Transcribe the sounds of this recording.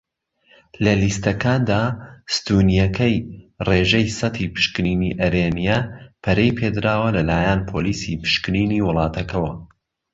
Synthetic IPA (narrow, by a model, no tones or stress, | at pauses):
lɐlist̪ɐkaːnd̪aːst̪unijɐkʰɐjreːʒɐjsɐt̪ʰiːpɨ̥ʃkɨniːniʔɐɾenijɛpʰɐɾejpʰed̪ɨɾaːwɐlɐlaːjɐnpʰoːliːsipɨ̥ʃkɨniːniːwʊlˠɑːt̪ʰɐkɐwɐ